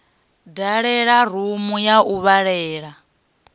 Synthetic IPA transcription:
daɺɛɺaɾ̤umujaʔuβaɺɛːɺa

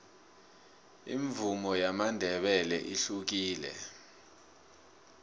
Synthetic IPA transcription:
ḭɱvumɔjamandʱɛɓɛlɛ̰ʔiɬuk̬iːlɛ̰

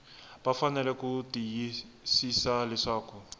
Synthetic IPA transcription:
bafanɛlɛkutiji | sisalɛʂaːku

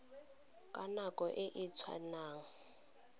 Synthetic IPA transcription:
kʼanakʼɔʔɪʔit͡sʰwa̰naːŋ̩

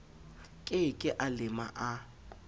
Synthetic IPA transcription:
kʼɪkʼɪʔalɪma̰ʔa

